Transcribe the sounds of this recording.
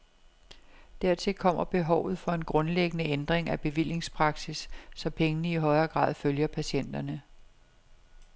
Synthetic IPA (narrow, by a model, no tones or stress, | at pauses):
d̥æɐ̰t͡sʰe̝lkʰɒ̽m̰ɐb̥e̝ɦɒʊ̰ð̩ˠfɒ̽e̝nɡ̥ʁɔ̽nleɡ̥ənəend̥ʁeŋæb̥e̝ʋil̰je̝ŋspʰʁɑ̈ɡ̥sisːɒ̽pʰeŋənəiɦɒ̽ɪɐːɡ̥ʁɑ̰̈ːðˠføljɐpʰæɕen̰d̥ɐnə